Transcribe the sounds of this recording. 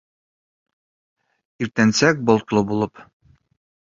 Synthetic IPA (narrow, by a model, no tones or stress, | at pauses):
iɾt̪ænsæk̚bɒlˠt̪lˠɤbulˠɤp